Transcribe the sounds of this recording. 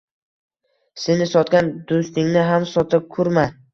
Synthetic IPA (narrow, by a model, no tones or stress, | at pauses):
senɪsɒt̪ɡʲand̪̥ost̪ɪŋnɪɦamsɒt̪ʰɪp̚kʰʊɾma